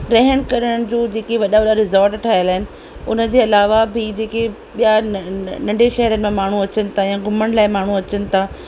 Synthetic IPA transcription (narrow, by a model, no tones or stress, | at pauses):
ɾɐɦɽ̃kɐɾəɽəɽ̃ɪ̆d͡ʑoːd͡ʑeːkeʋɐɗaʋɐɗaɾɪzaːɾʈʈʰaːɪjəlaːɦɪnɪ̆ | ʊnə̆d͡ʑeːɐlaːʋabʱɪd͡ʑeːke | ɓijanɐ̃ɳɖeʃɐɦəɾənɪ̆mẽmaːɳ̤uɐt͡ɕənɪ̆t̪ʰajãːɡʱʊməɽ̃laːɪmaːɳ̤uɐt͡ɕənɪ̆t̪ʰaː